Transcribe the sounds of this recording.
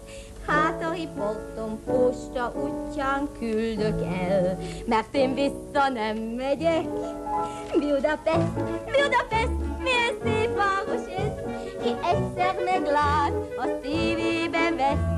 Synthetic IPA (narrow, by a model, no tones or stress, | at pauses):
haːt̪ɒhipolt̪ompoːʃt̪ɒʔucːaːŋkʰyld̪økɛlmɛrt̪eːɱvisːɒnɛmːɛɟɛk | biud̪ɑpɛʃt̪biud̪ɒpɛst̪miɛnseːfaːmoʃeʃ | kiʔɛcsɛrmɛɡlaːt̪ɒsiːveːbɛvɛs